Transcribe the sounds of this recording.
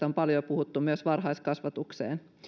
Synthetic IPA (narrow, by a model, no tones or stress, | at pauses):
ompɑljopuhut̪ːumyøsʋɑrɦɑiskɑsʋɑt̪uksḛːn